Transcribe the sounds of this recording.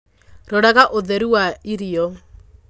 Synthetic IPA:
ɾɔɾaɣaʔoðɛɾuwaiɾiɔ

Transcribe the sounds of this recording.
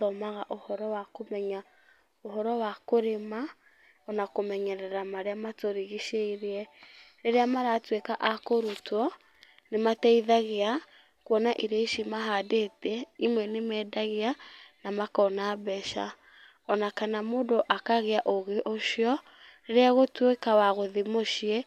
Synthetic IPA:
ɔmaɣaʔohɔɾɔwakomɛɲa | ohɔɾɔwakoɾema | ɔnakomɛɲɛɾɛɾamaɾeamatoɾiɣiʃeiɾeɛɾeɾeamaɾatwekaʔakoɾutɔ | nematɛiðaɣea | kwɔnaʔiɾaiʃimaɦadetɛimwɛnemɛːdaɣeanamakɔnaːbɛʃa̰ | ɔnakanamoːdoʔakaɣeaʔoɣeʔoʃiɔ | ɾeɾeaɣotwekawaɣoðimoʃiɛ

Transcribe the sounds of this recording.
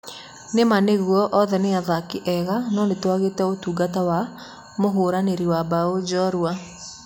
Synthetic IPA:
nemaneɣwɔʔɔðɛneaðakiʔɛɣanɔnetwaɣeːtɛotuːɡatawa | moɦoːɾaneɾiwabaod͡ʑɔɾua

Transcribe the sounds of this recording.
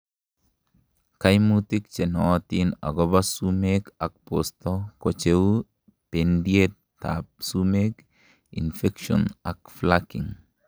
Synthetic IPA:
kajmut̪ik̚t͡ʃenɔwat̪ina̰ɡɔbasumekak̚post̪ɔkot͡ʃewu | pendiet̪ | tːa̰p̚sumek | ḭnfekʃɔ̰nakflakḭŋ

